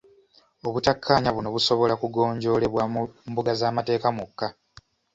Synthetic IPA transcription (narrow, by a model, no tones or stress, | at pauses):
o̞βutakʰːaːɲaβuno̞βuso̞βo̞lakuɡo̞ːɲɟo̞ːle̞βwambuɡazaːmate̞ːkamukːa